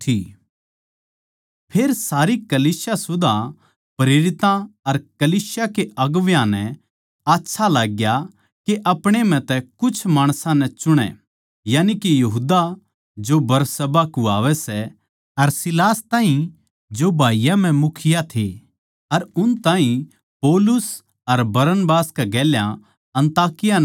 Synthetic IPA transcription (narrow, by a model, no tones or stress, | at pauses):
ʈʰiː | pʰeːɾsaːɾikɐliːsjasʊd̪ʱa | pɾeːɾɪt̪ãɐɾkɐliːsjakeʔɐɡʋjãnɛ | aːtːʃʰalaːɡja | keʔɐpɽ̃em̤ɛ̃t̪ɛkʊt͡ʃʰmaːɽ̃sãnɛt͡ʃʊɽ̃ɛ̰ | jaːnikijɐɦud̪a | d͡ʒobɐɾsɐbakuaːʋɛsɛ | ɐɾsɪlaːst̪ãːɦĩ | d͡ʒobʱaːijãm̤ɛ̃mʊkʰɪjat̪ʰe | ɐɾʊnt̪aːɦĩ | pɔːlʊs | ɐɾbɐɾənbaːskɛɡɛːljã̰ | ɐ̃nt̪aːkɪja